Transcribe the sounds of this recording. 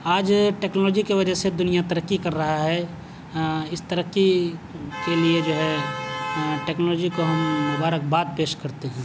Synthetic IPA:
aːd͡ʒʈeːknɔlɔːd͡ʒikeʋɐd͡ʒəsed̪ʊnijat̪əɾəkːikɐɾːɐɦaɦɛ | ɪst̪əɾəkːi | kelied͡ʒoːɦɛ | ʈeːknɔːlɔːd͡ʒikoɦɐmmʊbaːɾək̚baːd̪̚peːʃkɐɾt̪eɦɛ̃ː

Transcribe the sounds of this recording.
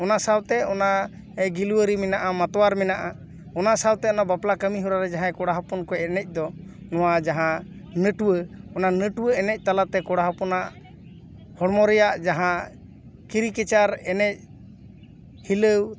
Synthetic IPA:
ɔnasawt̪ɛɔna | ɛɡiluwəɾimɛnaʔamat̪ɔwaɾmɛnaʔa | ɔnasawt̪ɛɔnabaplakəmiɦɔɾaɾɛd͡ʒaɦãkɔɽaɦapɔnkɔɛnɛc̚ˀd̪ɔ | nɔwad͡ʒaɦã | nəʈuwəɔnanəʈuwəɛnɛc̚ˀt̪alat̪ɛkɔɽaɦapɔnaʔ | hɔɽmɔɾɛjaʔd͡ʒaɦã | kiɾikɛt͡ʃaɾɛnɛc̚ | hiləw

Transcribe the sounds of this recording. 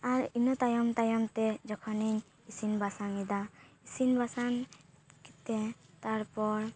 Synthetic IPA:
aɾinɔt̪ajɔmt̪ajɔmt̪ɛd͡ʒɔkʰɔniɲ | isinbʱasaŋid̪aisinbasan | ki̥t̪et̪aɾpɔɾ

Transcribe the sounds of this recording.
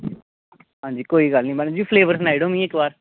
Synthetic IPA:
ɦãːɲd͡ʒiːkoːiːɡaːlnəĩːbənd͡ʒiːfʰleːʋəɾs̬naːiɽomĩːeːkʋaːɾ

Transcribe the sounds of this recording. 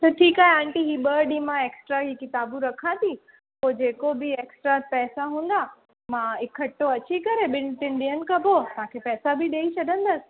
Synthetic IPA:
t̪ɐʈʰiːkaːɦeãːɳʈiɦiːɓəɗimãeːksʈɾaɦiːkɪt̪aːbũɾɐkʰãt̪ʰi | poːd͡ʑeːkobɪeːksʈɾapɛːsaɦũːnd̪a | mãɪkʰːɐʈːoɐt͡ɕikɐɾeɓɪnt̪ɪnɗiɦənɪ̆kɐbʱot̪ãːkʰepɛːsabɪɗeːit͡ɕʰɐd̪ʱə̃nd̪əsɪ̥̆

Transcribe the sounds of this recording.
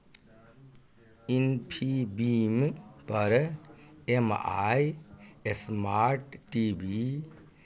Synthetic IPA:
inpʰibimpəɾ | ema̰jesmaːɾʈːibi

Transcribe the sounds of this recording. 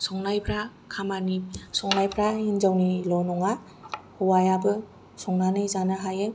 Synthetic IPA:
sɔŋnajpʰɾa | kʰamanisɔŋnajpʰɾahinzawnilɔnɔŋa | huwajabɯ | sɔŋnanɯjzanaɦajɯ

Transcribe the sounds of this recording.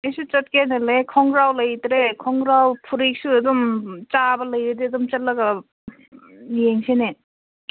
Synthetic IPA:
esut͡ʃɐt̚kenelekʰɔŋɡɾawləjt̪ɾekʰɔŋɡɾawpʰuɾik̚sued̪ɔmt͡ʃabɐləjɾed̪id̪ɔmt͡ʃɐtlɐɡa | jeŋsʰene

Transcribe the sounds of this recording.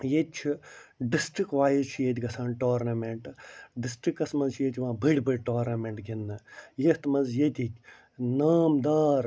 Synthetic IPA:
jet͡ʃʰiɖisʈɾikʋaːjizt͡ʃʰijet̪̬ʲiɡɐsaːnʈoːɾnɐmeɳʈɖisʈɾikːɐsmɐnzt͡ʃʰjet̪ʲiʋãːbʱɐɽʲbʱɨɽʲʈoːɾnɐmeɳʈɡʲinːɐjet̪mɐnzjet̪ʲikʲ | naːmd̪aːɾ

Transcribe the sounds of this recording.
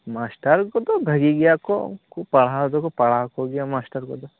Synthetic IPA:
maːsʈɐɾɡod̪obʱɐɡiɡjako̰kupɐɭad̪okopɐɭakoɡijamaːsʈɐɾɡod̪o

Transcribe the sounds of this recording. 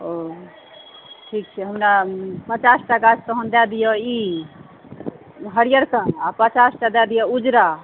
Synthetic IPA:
o | ʈʰik̚t͡ʃʰɛɦəmnapət͡ʃasʈaɡat͡ʃt̪əɦənd̪ad̪ijɔi | ɦəɾijəɾkaapət͡ʃasʈad̪ad̪ijɔud͡ʒɾa

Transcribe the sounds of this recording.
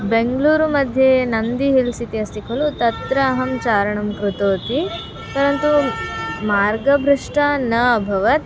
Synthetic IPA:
beŋɡluːɾumɐd̪ʱjenɐnd̪iɦilsit̪iɐst̪ikɐlut̪ɐt̪ɾɐːɦɐmt͡ʃaːɾɐɳɐmkɾut̪oːt̪i | t̪ɐɾɐnt̪u | maːɾɡɐbʱɾuʂʈanɐbʱɐʋɐt̪

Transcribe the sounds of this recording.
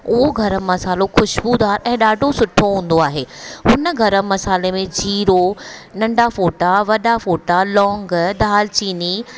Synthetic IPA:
ʊɦoɡʱɐɾə̆mɐsaːloxʊʃbud̪aːɾɛ̃ːɗaːɖʱosʊʈʰoɦũːn̆d̪oaːɦeːɦʊnə̆ɡʱɐɾəmɐsaːlemẽd͡ʑʱiːɾonɐ̃ɳɖafoːʈaʋɐɗafoːʈalɔ̃ːŋɡd̪ʱaːlt͡ɕiːni

